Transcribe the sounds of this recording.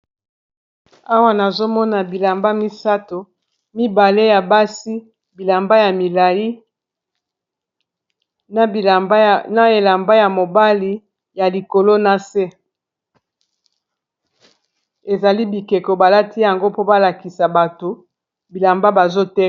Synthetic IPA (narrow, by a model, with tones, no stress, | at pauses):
a˦wa˦na˨zo˦mɔ˦na˨bi˨la˨mba˦mi˦sa˦to˨ | mi˦ba˨le˦ja˨ba˦si˦ | bi˨la˨mba˦ja˨mi˨la˨ji˦ | n˦˨˦na˦e˨la˨mba˦ja˨mo˨ba˦li˨ | ja˨li˨ko˨lo˦na˦se˦ | e˨za˨li˦bi˨ke˨ko˨ba˨la˦ti˦ja˨ŋɡo˦po˦ba˦la˨ki˨sa˨ba˨to˨ | bi˨la˨mba˦ba˨zo˦tɛ˦